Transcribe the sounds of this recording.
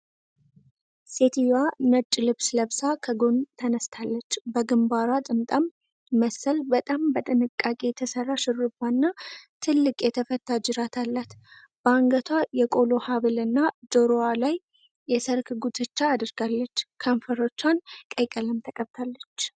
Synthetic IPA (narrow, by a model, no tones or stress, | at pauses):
set̪ʰijwanət͡ʃʼːlɨβsləβsakʰəɡont̪ʰənəst̪ʰalːət͡ʃːbəɡɨmbaɾwat̪ʼɨmt̪ʼamː | əsːəlbət̪ʼambət̪ʼɨnɨkʼːakʼe̞t̪ʰəsərːaʃɨɾɨbanːat̪ʰɨlːɨkʼjɛt̪ʰəfət̪ʰːad͡ʒɨɾat̪ʰalːat̪ | b̥aŋɡət̪ʰwajɛkʼo̞lo̞haβɨlɨnːad͡ʒo̞ɾowalaj | jːɛsəɾkɡut̪ʰɨt͡ʃːaːd̪ɨɾɡalːət͡ʃːkʰəɱfəɾo̞t͡ʃːankʼəjkʼələmt̪ʰəkʼəβt̪ʰalːət͡ʃː